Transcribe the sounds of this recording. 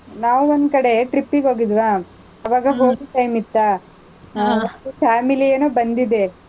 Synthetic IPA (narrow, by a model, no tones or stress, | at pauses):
naːʋuond̪kɐɽe̞ʈɾipːiɡɦoːɡid̪ʋaː | ɐʋaːɡɐɦoːɡiʈɐjmit̪ːa | ot̪ːupʰaːmilieːnoːbɐnd̪id̪e